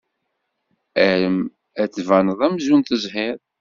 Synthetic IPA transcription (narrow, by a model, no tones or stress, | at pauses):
æɾəm | æt͡sːvænəðˤæmzunt̪əzɦɪɾˤ